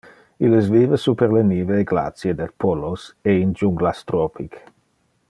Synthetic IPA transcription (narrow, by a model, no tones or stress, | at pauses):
ilesviːvəsupeɾleniːveːɡla̰t̪sjed̪elpʰɔloseind͡ʒuŋɡlast̪ɾɔpʰik